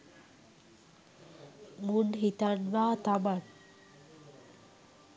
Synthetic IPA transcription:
muɳɖɦit̪anʋaːt̪aban

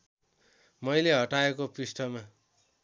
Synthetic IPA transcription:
mʌjleɦʌʈaekopisʈʰʌma

